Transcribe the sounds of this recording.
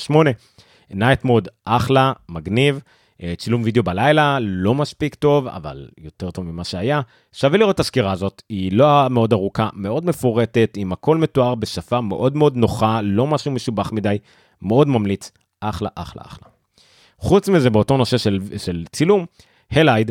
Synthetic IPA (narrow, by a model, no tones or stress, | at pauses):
ʃmo̞ne̞ | naet̪mod̪ʔaχlamaɡniv | t͡silumvid̪ejo̞balajlalo̞maspikto̞va̰va̰ljo̞te̞ʁt̪o̞vmimaʃeaja | ʃaveliʁo̞t̪aʃkiʁaːzo̞tiloameo̞daʁukame̞o̞d̪me̞foʁe̞te̞t̪imako̞lme̞tuaʁbe̞ʃafame̞̰ʔo̞d̪meo̞d̪no̞χalo̞maʃuume̞ʃubaχmidaj | me̞o̞d̪mamlit͡s | ʔaχla̰ʔaχla̰a̰χla̰ | χut͡smize̞beoto̞no̞se̞ʃeʃelt͡silum | helajd